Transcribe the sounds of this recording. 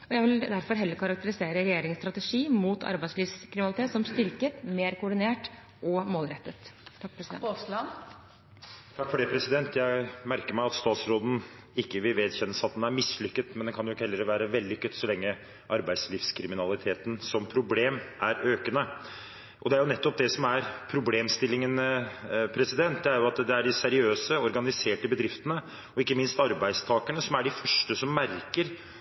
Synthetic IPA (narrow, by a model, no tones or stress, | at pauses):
ɔjæɪʋɪld̪æɾfɔɾɦɛlːəɾkʰɑɾɑk̚t̪əɾɪseːɾəɾɛjeːɾɪŋst̪ɾɑt̪əʂiːmuːt̪ʰɑ̰ɾbæɪsliːʋskʰɾɪmɪnɑlɪt̪ʰeːt̪sɔmst̪ʏɾkət̪meːɾkʊɖɪneːʈ | ʔɔmoːlɾɛt̪ːət̪ʰːkpʰɾsd̪ɛ̰lɑn | t̪ʰɑkːfɔɖɛːpʰɾɛsɪd̪ɛnt̪ʰjæɪmæɾkəɾmæɪɑt̪st̪ɑːt̪sɾoːd̪n̩ | ɪkːəʋɪlʋeːd̪çɛnːəsɑt̪̚d̪ɛnæɾmɪslʏkːət̪mɛnd̪ɛnkʰɑnjʊkhɛlːəɾʋæːɾəʋɛld̪ʏkʰːət̪sɔlɛŋːə | ʔɑɾbæɪd̪slɪfskʰɾɪmɪnɑlɪt̪ʰeːt̪nsɔmpʰɾʊbleːmæɾøːkənə | ʔɔd̪ɛæɾjʊnɛt̪ːɔp̚d̪ɛsɔmæɾpʰɾʊbleːmst̪ɪlːɪŋən | pʰɾɛsɪd̪ɛnt̪̚d̪ɛæɾjʊɑt̪d̪ɛæɖɪsæɾɪøːsəɔɾɡɑnɪseːʈəbəd̪ɾɪft̪ənə | ɔɪkːəmɪnst̪ɑɾbæɪst̪ʰɑːkəɳəsɔmæɖɪfœʂʈəsɔmːæɾkəɾ